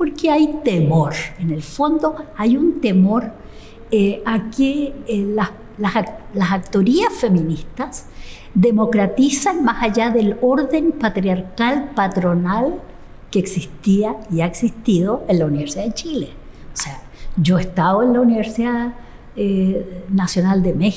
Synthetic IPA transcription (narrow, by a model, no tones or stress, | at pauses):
poɾkeajt̪emo̞ɾenelfo̞nd̪o̞ajunt̪e̞mo̞ɾ | eakela | laslasak̚t̪o̞ɾiasfe̞mĩnist̪as | d̪emo̞kɾat̪isanmasaʝaðelo̞ɾðe̞mpat̪ɾjaɾkalpat̪ɾonal | keːksist̪iaiaeksist̪iðo̞enlauniβeɾsiðaðet͡ʃile | osea | d͡ʒoest̪aβoenlauniβeɾsiða | enasjo̞nald̪eme